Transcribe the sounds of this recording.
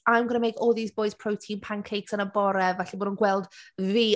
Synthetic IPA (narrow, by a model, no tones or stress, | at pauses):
ajmɡənəmejkʰɔːðiːsb̥oɨzpʰrowtʰĩnpʰankʰejksənəbɔɾɛvɛɬiboːdənɡwɛlˠdviː